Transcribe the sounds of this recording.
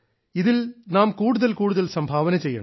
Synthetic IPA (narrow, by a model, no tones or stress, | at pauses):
ɪðɪlnaːmkuːɽʊðɐlkuːɽɯðɐlsɐmbʱaːʋɐnɐt͡ʃːsɛjːɐ̰ɳɐ̰m